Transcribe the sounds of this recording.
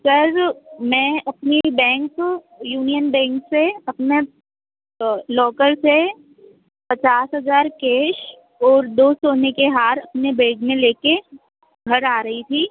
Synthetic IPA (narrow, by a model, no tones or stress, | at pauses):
sɐɾmɛ̃ːɐpnebɛ̃ːŋkko | juːnijənbɛ̃ːŋkseɐpne | lɔːkəɾse | pɐt͡ʃaːsɦɐzaːɾkeːʃ | ɔːɾd̪oːsoːnekeɦaːɾɐpnebẽːɡmẽleːke | ɡʱɐɾaːɾɐɦit̪ʰiː